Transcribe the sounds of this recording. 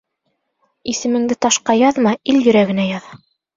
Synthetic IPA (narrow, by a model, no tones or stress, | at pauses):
isɘ̆mɘ̆ŋd̪ɘt̪ɑʃqɑjɑðmɑʔiljɵ̆ɾæɡɘ̆næjɑðɑ